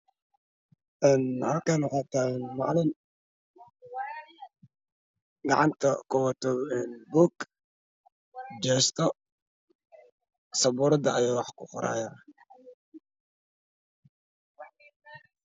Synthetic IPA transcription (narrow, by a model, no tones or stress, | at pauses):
ʔɛːnhɐlkanwɑħɑːt̪ʰaːɣnmɑʕlɪn | ɡɑʕɑnt̪ʰɐkʰɔwt̪ʰɔɛːnbuk | d͡ʒɛːst̪ʰɔ | sɐbuːɾɐd̪ɐɐjaːwɑħkʰʊqɔɾa̰ːjaː